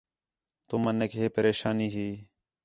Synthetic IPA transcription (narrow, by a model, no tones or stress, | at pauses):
t̪ʊmənekɦeːpəɾeːʃaːniːɦiː